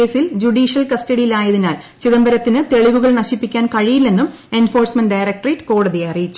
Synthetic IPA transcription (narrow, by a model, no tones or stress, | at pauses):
e̞ːsild͡ʑuɽiːʂijɐlkɐstɐɽijilaːjɐðinaːl | t͡ɕiðɐmbɐɾɐt̪ːinɨt̪e̞ɭiʋuɣɐɭnɐɕipːikʲːaːnkɐɻijilːe̞nːum | e̞nfo̞ːrsmɐnɖɐjrɐk̚ʈriʈko̞ːɽɐðiɐɐrijit͡ɕːu̥